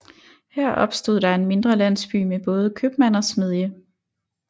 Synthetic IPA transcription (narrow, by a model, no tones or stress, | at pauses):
hæɐ̰ʔɒ̽b̥sd̥o̝ð̰ˠd̥ɑ̈e̝nme̝nd̥ʁɐlæn̰sb̥y̰ːmeb̥ɔ̽ːð̞ˠəkʰøb̥mæn̰ɒsme̝ð̞ˠjə